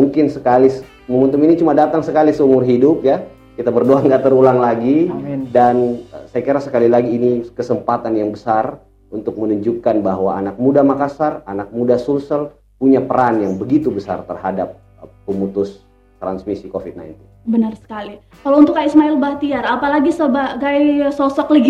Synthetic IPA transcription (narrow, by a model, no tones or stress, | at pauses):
muŋkɪnsəkalis | məmunt̪̬uminit͡ʃumadat̪aŋsəkalisəumʊrɦidʊpja | kit̪abərdoaŋɡaʔt̪əɾulaŋlaɡidansajakiɾasəkalilaɡiːnikəsəmpat̪anjaŋbəsar | unt̪ʊk̚mənuɲd͡ʒukanbaɦwaːnak̚mudamakasaranak̚mudasulsəl | puɲapəɾanjaŋbəɡit̪ubəsa̰rt̪ərhadap̚ː | əmut̪ʊs | t̪ɾansmisikofit̪̚na̰jnt̪ɪnbənərsə̥kali | kalount̪ʊkaismaɪlbat̪iarapalaɡisəbaɡajsɔsɔkləɡ